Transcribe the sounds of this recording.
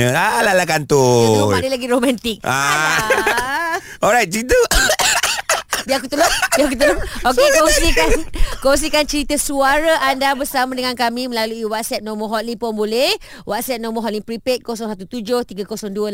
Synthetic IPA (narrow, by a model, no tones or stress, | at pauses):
əalalakant̪ʊadəlaɡiɾomãnt̪ik̚a | ɔlɾajt̚d͡ʒit̪u | biakut̪əlʊbiak̬ut̪̬əlʊokekaosikankoŋs̬ikant͡ʃəɾit̪əsuaɾaʔandabərsamãdəŋankamĩmə̃laluiwat̪̚sɛt̪̚nɔ̃məɦɔt̪̚lipɔnbolɛhwʔat̪̚sɛt̚nɔ̃məɦɔt̪liŋpɾipet̪̚kosɔŋsat̪ut̪ud͡ʒoht̪iɡakosɔŋduə